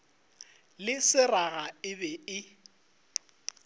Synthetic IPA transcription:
lɪsɪraɣaɪbɛɪ

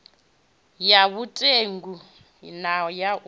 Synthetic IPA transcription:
jaβutʼeŋɡu | naja

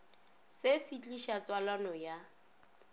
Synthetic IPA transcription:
sesit͡ɬʼiʃat͡sʼwalanɔja

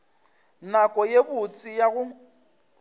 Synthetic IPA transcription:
nakʼɔjebʊt͡sʼijaɣʊ

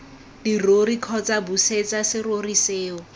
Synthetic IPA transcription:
dirorikʰɔt͡sabuset͡sasɪroriseːɔ

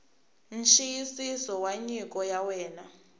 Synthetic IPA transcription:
nʃijisisɔwaɲik̬ʼɔjawɛːna

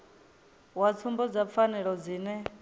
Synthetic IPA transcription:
wat͡sʰumbɔd͡zap̪fʰanɛɺɔd͡ziːnɛ

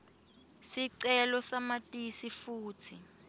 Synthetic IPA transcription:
siǀɛlɔsamatʼisifuːtʰi

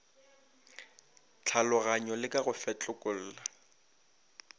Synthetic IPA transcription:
t͡ɬʰalʊɣaɲɔlɪkʼaɣʊfɛt͡ɬʼʊkʼʊl̩ːla

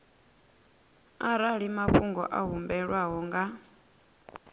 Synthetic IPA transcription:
aɾaɺimaɸuŋɡɔ̰ʔaɦumbɛɺwaɦɔŋɡa

